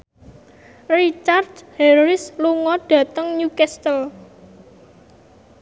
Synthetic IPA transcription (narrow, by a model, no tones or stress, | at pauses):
rit͡ʃardhɛɾɪsluŋɔɖ̥ä̤t̪əŋɲukɛst̪əl